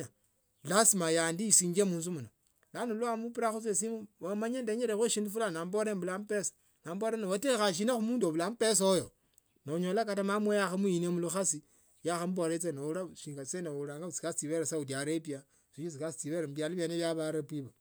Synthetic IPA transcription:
a | lasimajandisiːɲd͡ʒemuːnzumuno | lanoluamupiɾaxut͡sesimuwamaɲendeɲeɾexweʃindufulanamboɾemβulamupesḁ | namboɾenoatexaʃ̬inaxumuːndoβulamupes̬ojo | noɲolakatamamwejaxamuinemuluxasi | jaxamuboɾet͡senoɾaʃiːŋɡaseneoɾaːŋɡaut͡si̥kast͡siβeɾasaut̬iaɾepia | siʃit͡sikasit͡siβeɾamuβjaɾeβaneβjaβaɾepiβa

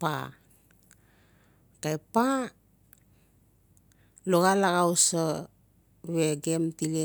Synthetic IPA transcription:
pa̰ | kajpa | loɣalaɣawsa | βeɡemtile

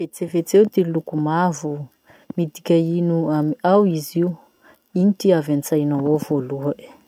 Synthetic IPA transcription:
vet͡sevet͡sewt̪ilukumavu | mid̪ikʲainuamiawiziw | initiavant͡sajnawovoluaʔi̥

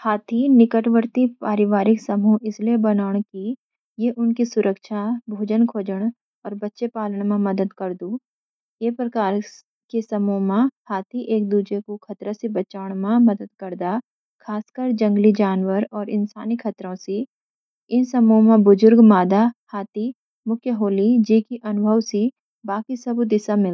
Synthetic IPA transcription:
haːt̪ʰinɪkəʈʋəɾt̪ipaːɾɪʋaːɾɪksɐmuʔɪsliebɐnaːɽ̃ki | jeʔʊnkisʊɾʔəkʃabʱoːd͡ʒənkʰoːd͡ʒəɽ̃ | ɔːɾbɐtːʃepaːləɽ̃mãmɐd̪əd̪kɐɾd̪uː | jeːpɾɐkaːɾ | kesɐmumãhaːt̪iʔeːk̚d̪uːd͡ʒekukʰɐt̪ɾasibɐt͡ʃaːɽ̃mãmɐd̪əd̪̚kɐɾd̪a | kʰaːskəɾd͡ʒɐ̃ŋɡlid͡ʒaːnwəɾɔːɾɪ̰nsaːnikʰɐt̪ɾõsi | ɪnsɐmõmãbʊzʊɾɡmaːd̪ahaːt̪i | mʊkʰjəɦoːlid͡ʒeːkiʔɐnʊbʱəʋsi | baːkisɐbd̪ɪsamɪl

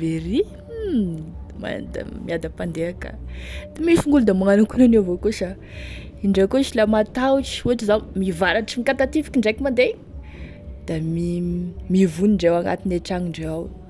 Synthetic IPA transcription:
veɾi | ma̰d̪a̰miad̪əpand̪eaka̰d̪imifuŋɡulud̪amaŋanakunanewvokuʃa | iɳɖ͡ʐakoʃilamat̪awʈ͡ʂi̥uaʈ͡ʂizamivaɾaʈ͡ʂimikat̪at̪ifi̥kʲiɳɖ͡ʐekʲimand̪e | d̪̥amimivuniɳɖ͡ʐewaŋa̰t̪ineʈ͡ʂaŋiɳɖ͡ʐeaw

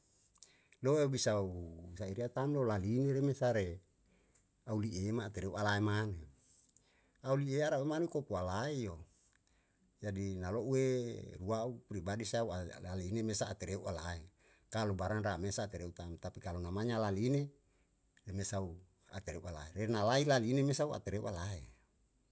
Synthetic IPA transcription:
loebisausaiɾiat̪amlolalineɾemesaɾe | auliʔemaːt̪eɾeuʔalaemane | aulieaɾauemanukopualaejo | d͡ʒadinaloʔueruaupɾibadisaualalinemesaːt̪eɾeuʔalae | kalubaɾanramesaːt̪eɾeut̪amt̪apikalonamaɲalaline | remesau | a̰t̪eɾeuʔala̰eɾenalailalinemesaua̰t̪eɾeṵʔalae

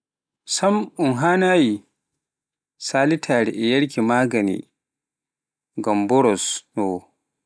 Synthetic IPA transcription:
sɐmʊŋɦaːnaːji | saːlitʰaːɽɛʔɛjɐɽk̬ʰʲimaːɡɐnḭː | ɡɐmbɔɾɔsnɔ

